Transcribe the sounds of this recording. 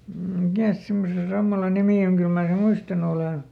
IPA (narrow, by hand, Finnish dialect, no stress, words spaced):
mikæˑs simːose sɑmːɑlɑ nimiˑ oŋ kyl mæː sem̆ muistɑnu oleˑn̞